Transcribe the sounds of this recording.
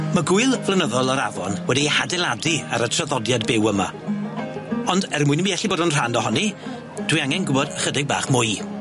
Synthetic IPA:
maɡʊɨlˠvlˠənəðɔlˠɔɾavɔnwɛdihadɛlˠadiaɾətʰraðɔdjadbɪwəma̰ | ɔndɛrmʊɨnmiɛɬiboːdənr̥andɔɦɔni | d̥wijaŋɛnɡʊbɔdəχədɪɡ̚ba̰ːχmʊj

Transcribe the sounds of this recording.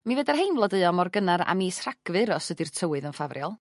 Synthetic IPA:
mivədarɦejnvlˠɔdɨɨɔmɔrɡənaɾa̰miːsr̥aɡ̥vɨɾɔsədirtʰəwɨðənfavrjɔlˠ

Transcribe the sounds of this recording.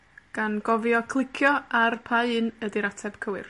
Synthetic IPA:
ɡ̥anɡɔvjɔkʰlˠɪkʰjɔarpʰaɨnədiɾatʰɛb̥kʰəwɪ̰r

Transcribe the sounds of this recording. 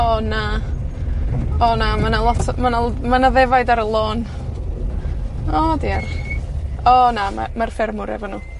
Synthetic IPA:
ɔna | ɔnamanalˠɔtʰmanalmanaðɛvajdaɾəlˠoːn | ɔdiar | ɔnama̰marfɪrmʊɾɛ̰vɔnuː

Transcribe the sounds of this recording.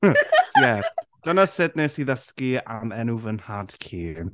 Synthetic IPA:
jɛd̥ənəsɪdnesiðəskianɛnuːvənhad̥kʰiː

